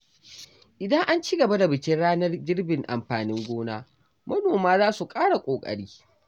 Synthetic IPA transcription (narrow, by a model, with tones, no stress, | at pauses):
ʔɪ˨dɐ˦ŋʔa˦nt͡ʃiː˦ɡɐ˨ba˦da˨bɪ˨kʲɪ˦nɽaː˦nɐ˦rd͡ʒɪ˦rbɪ˨ŋʔa̰˨mɸaː˨nɪ˦ŋɡʷoː˦naː˦ | mɐ˦noː˨maː˦zaː˦su˨kʼaː˦ɽa˨kʷʼoː˨kʼɐ̰˨ɽiː˦